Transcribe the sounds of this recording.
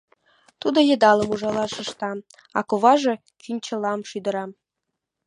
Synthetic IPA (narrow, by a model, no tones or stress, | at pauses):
t̪ud̪ɤ̆jɤ̆d̪ɑlˠɤ̆muʒɑlˠɑʃɤ̆ʃt̪ɑ | ɑ̰kovɑʒɤ̆ | kʲynʲt͡ɕɤ̆lˠɑmʃyd̪ɤ̆ɾɑ